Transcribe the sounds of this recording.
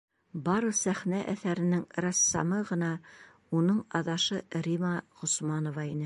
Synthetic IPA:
bɑɾɤsæχnæʔæθæɾɘ̆nɘŋɾɑsːɑ̰mɤʁɤ̆nɑ | unɤɴɑðɑʃɤɾimɑʁŏsmɑnŏvɑinɘ

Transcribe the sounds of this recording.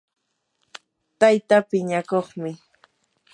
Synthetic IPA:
t̪ajt̪apɪɲakoχmɪ

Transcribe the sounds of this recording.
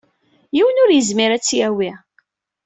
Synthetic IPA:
jiwənʊɾjəzmiɾæt͡sːjæwi

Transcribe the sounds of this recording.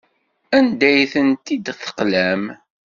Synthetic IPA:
ænd̪æjθənt̪id̪θə̥qlæm

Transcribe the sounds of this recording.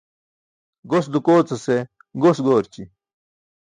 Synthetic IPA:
ɡosd̪ukoːt͡sɐse | ɡosɡoːɾt͡ɕi

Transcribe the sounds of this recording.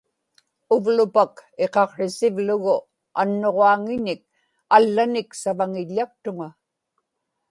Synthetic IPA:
ʊvlʊpake̞qɑqʂɪsɪvlʊɣʊ | a̰nːo̞ʁoaŋɪɲɪk̚ | alːanɪksavaŋɪʎːak̚t̪ʊŋa

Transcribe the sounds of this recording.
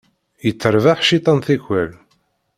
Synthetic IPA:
jət͡sːəɾvaħʃit̪ˤɑnθæçʷæl

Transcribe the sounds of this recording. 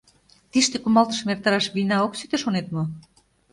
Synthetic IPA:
t̪iʃt̪ekumɑlt̪ə̥̆ʃmert̪ɑɾɑʃβinɑoksyt̪eʃonet̪mo

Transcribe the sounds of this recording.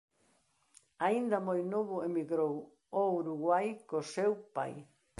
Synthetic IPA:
aind̪ɐmojnoβʊemiɣɾow | owɾuɣwajkosewpa̰j

